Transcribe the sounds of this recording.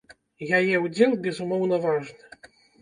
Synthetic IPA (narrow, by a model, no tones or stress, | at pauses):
jajɛwud͡zʲɛlˠbʲɛzumɔwnɐvaʐnɨ